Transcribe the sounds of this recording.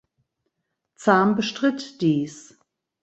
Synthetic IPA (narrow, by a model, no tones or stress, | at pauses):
t͡saːmbəʃtʁ̥ɪtd̥iːs